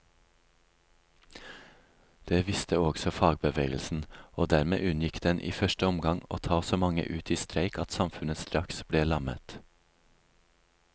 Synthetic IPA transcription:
d̪̥eːʋɪst̪əɔɡsɔfɑːɡ̚bəʋeːɡəl̩sn̩oːd̪æːɾmḛːʔʉnjɪkd̪ɛnʔḭːfœʃʈəɔmɡɑŋo̰ːt̪ʰɑːsoːmɑŋə̰ʔʉːt̪ʰiːst̪ɾæɪkɑt̪sɑmfʉnəst̪ɾɑksb̥ɽeːlɑmə̰t̪

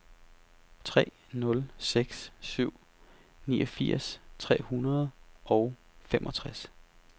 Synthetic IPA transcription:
t͡sʰʁɛ̰ː | nɔ̽lseɡ̥ssyʊ̰ | niːɒfiɐ̰st͡sʰʁɛ̰ːhunɐð̞̩ˠɒʊ | femʔɒ̽t͡sʰʁas

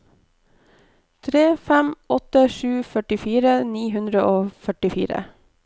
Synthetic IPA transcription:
t̪ʰɾeːfɛmɔt̪əʃʉːfœʈɪfiːɾəniːɦʉnd̪ɾəʔoːfœʈɪfḭːɾə̰

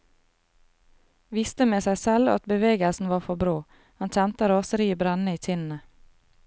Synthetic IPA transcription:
ʋɪst̪əmeːsæɪsɛlɑ̰t̪̚bəʋeːɡəlsn̩ʋɑːfɔbɾoː | hɑnc͡çɛnt̪əɾoːsəɾiːəbɾɛnəiːt̪ʰɪnn̩ə

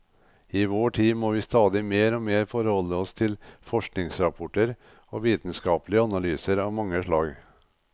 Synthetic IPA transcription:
iːʋoːʈʰiːmoːʋiːst̪ɑːd̪ɪmeːɾoːmeːɾfɔɾhɔlːəɔst̪ʰɪlfɔʂknɪŋsɾɑpʰɔʈəɾ | oːʋiːt̪n̩skɑːplɪəɑnɑlyːsəɾɑːʋmɑŋːəʂɭɑːɡ

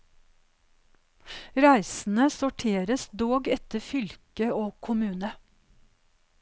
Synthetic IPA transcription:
ɾæɪsn̩əsʊʈʰeːɾəsd̪oːɡɛt̪əfʏlkəoːkʰʊmʉːnə

